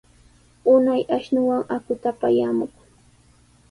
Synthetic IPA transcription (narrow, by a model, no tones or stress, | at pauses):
ʊnajaʃnʊwaŋakʊt̪apajamʊk